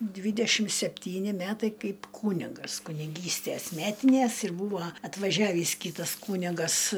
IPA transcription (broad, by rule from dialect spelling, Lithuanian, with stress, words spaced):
ˈdʲʋʲiːdʲɛʃʲɪm sʲɛpʲˈtʲiːnʲɪ ˈmʲætɐɪ ˈkɐɪp ˈkuːnʲɪɡɐs kʊnʲɪˈɡʲiːsʲtʲæs ˈmʲæːtʲɪnʲæs ɪr ˈbuːʋɐ ɐtʋɐˈʒʲæːʋʲiːs ˈkʲiːtɐs ˈkuːnʲɪɡɐs